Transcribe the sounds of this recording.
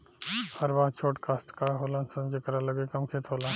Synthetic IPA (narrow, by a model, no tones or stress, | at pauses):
hɐɾʋaːɦt͡ʃʰoːʈkʰaːst̪kaːɦoːlãːnsɐ̃nd͡ʒekɾalɐɡekɐmkʰeːt̪ʰɦoːlãn